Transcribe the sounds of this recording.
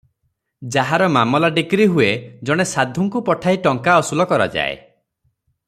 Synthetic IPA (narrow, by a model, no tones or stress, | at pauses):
d͡ʒaɦaɾɔmamɔlaɖikɾiɦued͡ʒɔɽ̃esad̪ʱuŋkupɔʈʰajʈɔŋkaɔsulɔkɔɾa̰d͡ʒa̰ḛ